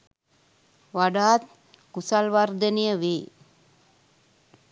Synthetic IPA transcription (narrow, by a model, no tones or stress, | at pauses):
ʋaɖaːt̪̚ | kusalʋard̪ənijəʋi